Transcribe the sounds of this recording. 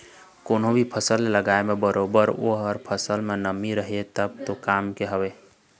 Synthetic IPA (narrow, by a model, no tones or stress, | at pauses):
konobʱipʰəsəlləɡaemebəɾʔobəɾo̰ɦəɾpʰəsəlmenəmiɾəɦet̪əb̚t̪okamkeɦəbe